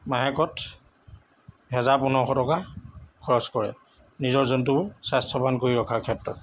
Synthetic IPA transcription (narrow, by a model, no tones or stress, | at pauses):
maɦɛkɔt | ɦɛzaɹpunɔxɔtɔkakʰɔɹɔskɔɹɛ̰ | nizɔɹzɔnt̬ʊbʊɹsastʰɔpankoɹiɹɔkʰaɹkʰɛtɹɔt